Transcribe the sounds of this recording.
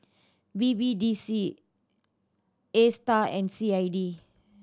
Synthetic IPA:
bibidisi | estaɛ̃nsiajdi

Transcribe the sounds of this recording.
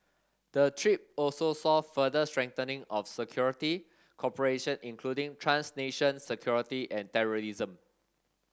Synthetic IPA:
d̥ətʰɹip̚ɔlsosɔfədəstɹɛ̃ŋtənɪ̃ŋɔfsəkʰjɔɹiti | kʰɔpəɹeʃə̃nĩnkʰludĩŋtʰɹãnsneʃə̃nsəkʰjɔɹitiʔɛ̃ntɛɹoɹizə̃m

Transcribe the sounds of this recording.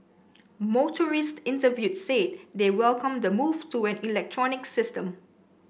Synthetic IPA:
motʰəɹistɪ̃ntəvjutset̚dewɛlkʰə̃mdəmuvtuɛ̃nilɛk̚tʰɹɔnɪksɪstə̃m

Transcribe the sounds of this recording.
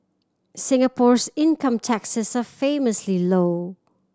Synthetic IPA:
sɪ̃ŋəpʰɔɹsɪ̃nkʌ̃mtʰæksɪsafẽɪməsliloʊ

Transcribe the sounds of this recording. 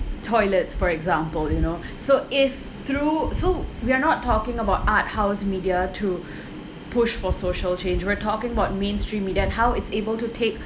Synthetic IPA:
tʰɔɪlətsfɔɹɛɡzãmpəljuno | soʔɪf | t̪ɹusowianɔtːɔkɪ̃ŋəbaʊtat̚haʊsmidiatʰu | pʰʊʃfɔsoʃəlt͡ʃẽnd͡ʒwiatʰɔkɪ̃ŋəbaʊt̚mẽnstɹĩmːiːdiaɛ̃nɦawɪtsebəltutʰek

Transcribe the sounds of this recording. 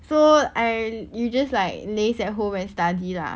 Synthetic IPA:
soaɪjud͡ʒaslaɪk̚lesɛt̚ɦõmɛ̃nstadila̰

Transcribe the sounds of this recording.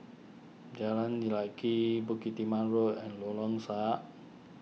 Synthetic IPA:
d͡ʒalandilakibukit̪imaɾoɛnlolɔŋsaʔ

